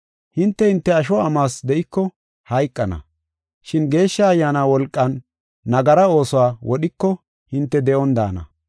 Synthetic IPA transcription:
hɪnt̪ːɛhɪnt̪ːɛɐʃ̬ɔɐmaːsd̪ɛʔɪkːɔ | hɐjkʼːɐnɐ̰ | ʃɪnɡe̞ːʃːɐːjːaːnaːwɔlkʼːɐnː | ɐɡɐɾɐo̞ːsɔwaːwɔɗɪkːɔ | hɪnt̪ːɛd̪ɛʔɔnd̪a̰ːnɐ̰

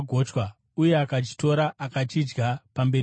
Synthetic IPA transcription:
ɡʱot͡ʃwa | uje̞akat͡ʃi̥to̞ɾaʔakat͡ʃid͡ʒɡapambe̞

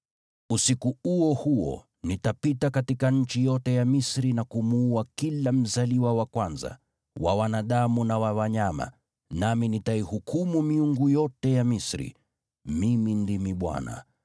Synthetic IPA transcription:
usikuuɔhuɔ̰ | nitapitakatikaɲ̩t͡ʃijɔtɛjamisɾinakumuuakilam̩zaliwawakwanza̰ | wa̰wanaɗamunawawaɲama̰ | naminitaihukumumiuŋɡujɔtɛjamisɾḭ | mimindimiɓwa̰na̰

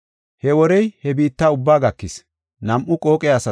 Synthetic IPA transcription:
hɛwɔɾɛjhɛbiːt̪ːaːʊbːaːɡɐkːɪs | nɐmʔʊkʼo̞ːkʼɛjasɐ

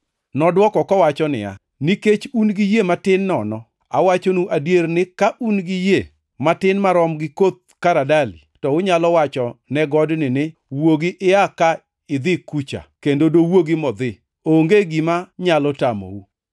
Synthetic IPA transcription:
nɔdwɔkɔkɔwat͡ʃɔnɪ̰a̰ | niket͡ʃunɡɪjematɪnːɔnɔ | a̰wat͡ʃonuʔadjernɪkaʔunɡɪje | matɪnmaɾɔmɡɪkot̪̚kaɾadalḭtɔʊɲalɔwat͡ʃɔnɛɡɔdnɪnɪwoɡiʔɪaka | ɪd̪ɪkut͡ʃa̰kendodowoɡɪmɔd̪ɪ | oŋɡeɡimaɲalɔtamo̰u

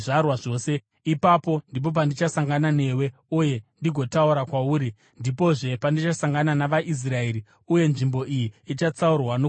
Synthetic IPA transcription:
arwaʐo̞ːse̞ | ipapo̞ndip̬o̞p̬andit͡ʃasaŋɡanane̞we̞uje̞ndiɡʱo̞tauɾakwauːɾi | ndipo̞ʐe̞pandit͡ʃasaŋɡananaʋaʔis̬rae̞ɾi | uje̞nʐimbo̞ʔijiit͡ʃat͡saurwano

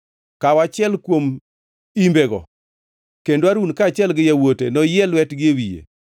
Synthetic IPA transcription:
kawat͡ʃɪɛlkwom | imbeɡɔ̰ | kendwaɾunkaːt͡ʃɪɛlɡɪjawotenɔjɛlwɛtɡɪewijḛ

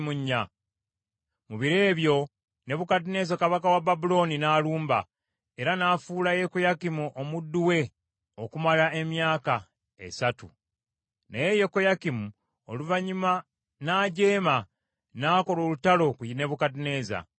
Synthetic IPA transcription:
muɲːa | muβiɾe̞ːβjo̞ | ne̞βukadine̞ːzakaβakawababulo̞ninaːluːmba̰ | e̞ɾanaːfuːlaje̞ko̞jakimuʔo̞mudːuwe̞ | o̞kumalae̞mjaːka | e̞satṵ | na̰je̞jeko̞jakimu | o̰luvaɲima | naːɟe̞ːma | naːko̞lo̞ːlutalo̞kujine̞βukadine̞ːza̰

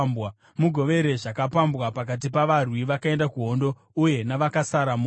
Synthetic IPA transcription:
ba | muɡʱo̞ʋe̞ɾe̞ʐakapambwapakat̬ipaʋarwiʋakae̞ndakuɦo̞ndo̞ | uje̞naʋakasaɾamu

